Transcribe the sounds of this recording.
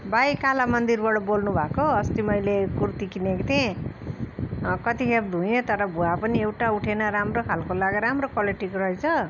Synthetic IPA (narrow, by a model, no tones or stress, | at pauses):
bajkalamʌnd̪irbʌɽʌbolnubʱakoʌst̪imʌjlekurt̪ikinekt̪ʰẽ | kʌt̪ikʰeb̚d̪ʱɦũjet̪ʌɾʌbʱuapʌniewʈauʈʰenʌɾamrokʰalkolaɡɾamrokʌleʈikrʌɦet͡sʰʌ